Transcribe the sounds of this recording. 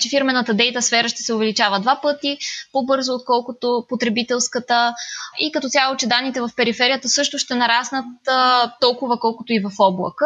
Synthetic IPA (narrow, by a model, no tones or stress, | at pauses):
t͡ʃɛfiɾmɛnət̪əd̪ɛjt̪əsfɛɾəʃt̪ɛ̥sɛʊvɛlit͡ʃavəd̪vapɤt̪ipobɤɾzoːt̪̚kɔlˠkʊt̪opot̪ɾɛbit̪ɛlˠskət̪əikɐt̪ɔt̪ʲjalˠot͡ʃɛd̪anːit̪ɛvɐfpɛɾifɛɾijət̪əsɤʃt̪ʊʃt̪ɛnɐɾasnət̪ːɔlˠkʊvəkɔlˠkʊt̪oivɐfɔblˠə̰kə